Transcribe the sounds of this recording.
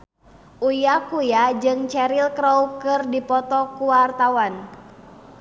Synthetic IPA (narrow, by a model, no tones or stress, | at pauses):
ʔujakujad͡ʒɨŋt͡ʃɛɾilkɾɔukɨrdipɔt̪ɔkuwart̪awan